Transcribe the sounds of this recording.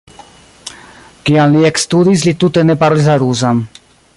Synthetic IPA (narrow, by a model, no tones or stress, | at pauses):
kianliɛkst̪ud̪islit̪ut̪enepaɾlizaɾuzam